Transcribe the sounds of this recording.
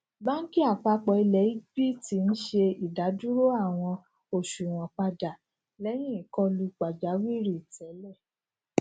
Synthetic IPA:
ba˦n̩˦ki˦a˦˨k͡pa˧k͡pɔ˧i˧lɛ˨˦i˦bi˦ti˧n̩˦ʃe˧i˨da˨˦du˦ɾo˦a˦˨w̃ɔ̃˧ | o˨ʃu˨w̃ɔ̃˨k͡pa˧da˨ | lɛ˦j̃ĩ˦i˦˨kɔ˧˦lu˧k͡pa˨d͡ʒa˨˦wi˦ɾi˦˨tɛ˨˦lɛ˦˨

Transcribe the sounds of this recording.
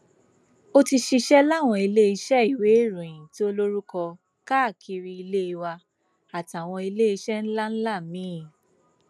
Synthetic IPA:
o˦ti˧ʃi˧ʃɛ˦la˦˨w̃ɔ̃˧i˧le˦i˧ʃɛ˦i˦˨we˨˦˨ɾũ˨ĩ˨ti˦o˦lo˦ɾu˦kɔ˧ | ka˦˨kʰi˧ɾi˧i˧le˦i˧wa˧ | a˨ta˨w̃ɔ̃˧i˧le˦i˧ʃɛ˦n̩˦la˦n̩˦la˦˨mĩ˨˦˨

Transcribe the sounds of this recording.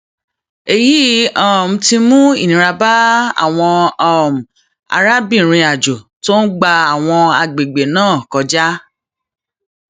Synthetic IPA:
e˨ji˨˦ɔ˦˨m̩˦ti˧mũ˦i˦˨nĩ˨ɾa˧ba˦a̰˦˨w̃ɔ̃˧˦˨m̩˨ | a̰˧ɾa˦bĩ˦˨ɾ̃ĩ˧a˨d͡ʒo˨to˦n̩˦ɡ͡ba˧a˨w̃ɔ̃˧a˧ɡ͡be˨ɡ͡be˨nãː˦˨kɔ˧d͡ʒa˦

